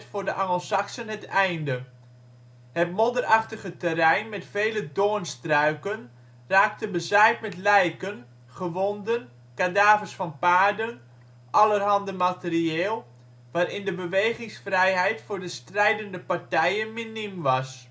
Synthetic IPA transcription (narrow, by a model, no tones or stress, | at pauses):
tfʊːrdəʔaŋəlˠsaksənɦətɛjndə | hətmodərʔaχtəɣətərɛjnmɛtfeːlədoənstrœɥkən | raːk̚təbəzɛjtmɛtlɛjkən | χəʋɔndən | kadaːvəsfɑnpaːrdən | ʔɑlərɦɑndəmatərieːlˠ | ʋaːɾɪndəbəʋejχɪŋsfrɛjɦɛjtfʊːrdəstrɛjdəndəpartɛjənminimʋɑs